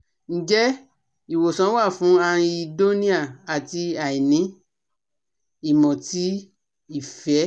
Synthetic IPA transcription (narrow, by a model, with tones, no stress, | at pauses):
n̩˨d͡ʒɛ˦ | i˨wo˨sã˨˦wa˦˨fũ˨˦ã˦˧i˦˧do˦nĩ˦a˦˨a˨ti˧a˨i˨nĩ˨˦ | i˨mɔ̃˨ti˨˦ | i˦˨fɛ˨˦